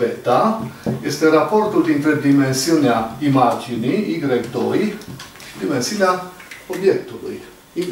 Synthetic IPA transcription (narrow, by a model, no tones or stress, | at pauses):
ɛt̪ːaɛst̪ɛrapːɔɾt̪ud̪int̪ɾeɾd̪imensjoneaimad͡ʒiniiɡɾɛkt̪oj | t͡ʃid̪imɛnsjiːneaobjɛt̪ːulṵj | i